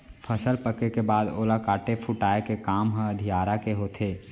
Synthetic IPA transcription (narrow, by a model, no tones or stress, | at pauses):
pʰəsəlpəkekebaːd̪o̰ːlakaːʈepʰʊʈaːekekaːmɦə̃əd̪ʱijaːɾakeɦoːt̪ʰeː